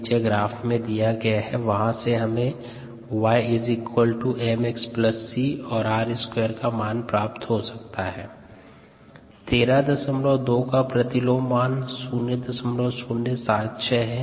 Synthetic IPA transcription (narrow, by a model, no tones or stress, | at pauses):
d͡ʒeɡɾaːfmẽd̪ijaɡɐjaɦɛʋɐɦãseɦɐmẽ | ʋaːɪɪzɪkwəlʈuɛmekspləsːiɔːɾaːɾɪskweːəɾkamaːnpɾaːpt̪ɦosɐk̚t̪aɦɛː | t̪eːɾad̪ɐsəmɾod̪oːkapɾɐt̪ɪloːmaːnsuːnjəd̪ɐsəmɾosuːnːəsaːt̪t͡ʃʰɛɦɛ̃ː